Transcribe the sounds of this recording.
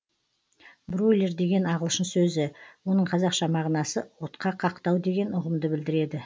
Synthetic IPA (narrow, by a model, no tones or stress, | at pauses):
brojlʲe̞rd̪e̞ɡʲe̞nɑʁəlˠʃənsɵzɪwo̞nəɴqʰɑzɑqʃɑmɑʁnɑsəwo̞t̪qɑqʰɑqt̪ɑwd̪e̞ɡʲe̞nʊʁəmd̪əbɪld̪ɪɾe̞d̪ɪ